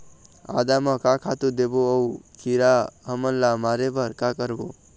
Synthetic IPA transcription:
a̰d̪amʌkakʰat̪ud̪eboəukiɾaɦəmənlamaɾebəɾkakəɾbo

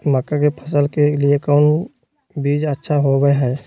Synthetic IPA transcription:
məkːakepʰə̥s̬əlkeliekɔːn | biːd͡ʒətːʃʰaɦoɡeɦɛː

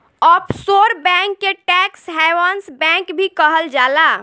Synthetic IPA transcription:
ɔpʰsoɾbɛ̃ŋkːeʈɛksɦɛjwənsbɛ̃kbʱikəɦəld͡ʒala

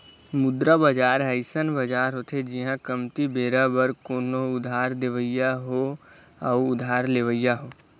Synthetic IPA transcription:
mʊd̪ɾabəd͡ʒaːɾɦəɪsənbəd͡ʒaːɾɦot̪ʰed͡ʒiɦãkəmt̪ibeːɾabəɾkoːnoʊd̪ʱaːɾd̪eʋəjaɦo | əʊʊd̪ʱaːɾleʋəjaɦoː

